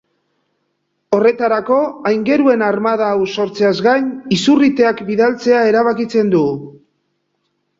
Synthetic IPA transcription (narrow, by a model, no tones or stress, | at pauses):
o̞re̞t̪aɾako̞ajŋɡe̞ɾue̞naɾmað̞aːwso̞ɾt͡seazɡajɲisurit̪e̞akbiðalt͡se̞ae̞ɾaβakit͡se̞nd̪u